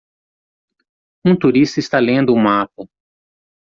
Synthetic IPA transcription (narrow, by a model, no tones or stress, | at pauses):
ũt̪uɾist̪ɐɪst̪alẽnd̪ʊːmapɐ